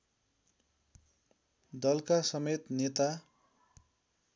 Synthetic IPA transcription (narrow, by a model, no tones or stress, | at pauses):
d̪ʌlkasʌmet̪net̪a